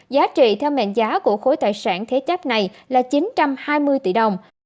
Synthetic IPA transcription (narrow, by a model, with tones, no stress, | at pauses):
zaː˨˦t͡ɕḭ˧˨t̪ʰɛ˧wmɛ̰˧˨nzaː˨˦ku˧˩əxo˨˦jt̪aː˧˨jsaː˧˩nt̪ʰe˨˦t͡ɕa˦˥k̚na˨˩jlaː˨˩t͡ɕi˨˦nt͡ɕa˧mhaː˧jmɨ˧əjt̪ḭ˧˩ɗə˨˩wŋ͡m